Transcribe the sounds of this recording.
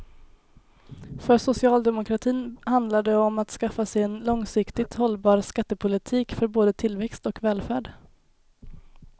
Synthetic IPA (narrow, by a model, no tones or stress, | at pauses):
fœsʊsɪɑːld̪ɛmʊkʰɾat̪ʰiːnhand̪laɖ̪ɛɔmat̪skafːasɛjɛnlɔŋsɪkt̪ɪt̪hɔlbɑːɾskat̪ːəpʰʊlɪt̪ʰiːkfœɾboːd̪ət̪ʰɪlvɛkst̪ɔkvɛːlfæːɖ